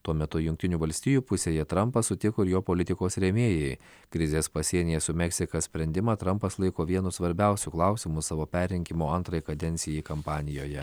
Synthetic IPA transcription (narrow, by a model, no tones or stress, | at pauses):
t̪uɔmʲɛt̪ʊjʊŋʲk̚t̪ʲɪnʲuːʋɐlʲsʲt̪ʲɪjuːpʊsʲeːjɛt̪ɾɐmpɐssʊt̪ʲɪkoːɪɾjoːpoːlʲɪt̪ʲɪkoːsɾʲɛmʲeːjɛɪ | kɾʲɪzʲeːspɐsʲiɛnʲɪjɛsʊmʲɛksʲɪkɐsʲpʲɾʲɛnʲd̪ʲɪmɐt̪ɾɐmpɐslˠɐɪkoːʋʲiɛnʊsʋɐɾʲbʲɛˑʊsʲʊklˠɑˑʊsʲɪmʊsɑːʋoːpʲæːɾʲɪŋʲkʲɪmoːɐnt̪ɾɐjkɐd̪ʲɛnʲt̪sʲɪjɛɪkɐmpɑːnʲɪjoːjɛ